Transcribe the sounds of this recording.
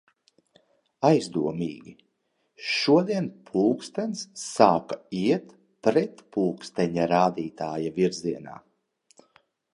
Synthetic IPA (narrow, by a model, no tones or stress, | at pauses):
ajzd̪uɔmiːɡʲi | ʃuɔd̪iɛnpʰuːkst̪ɛnsːaːkaiɛt̪ | pɾɛt̪puːkst̪ɛɲaɾaːd̪iːt̪aːjaviɾziɛna̰ː